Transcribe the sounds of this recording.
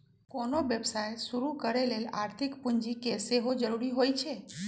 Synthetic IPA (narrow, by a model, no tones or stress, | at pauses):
konoʋjəbsajsuɾukəɾelela̰ɾt̪ʰikpuɲd͡ʒikeseɦod͡ʒəɾuɾiɦojt͡ʃʰe